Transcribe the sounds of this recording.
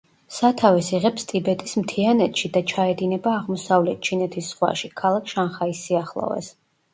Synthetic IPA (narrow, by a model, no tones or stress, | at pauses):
sat̪ʰavɛsiʁɛpst̪ʼibɛt̪ʼismt̪ʰianɛt̪ʃid̪at͡ʃʰaɛd̪inɛbaːʁmɔsavlɛt̪̚ʰt͡ʃʰinɛt̪ʰisːχwa̰ʃikʰalˠakʰʃanχaisːiaχlˠɔ̰vɛ̰s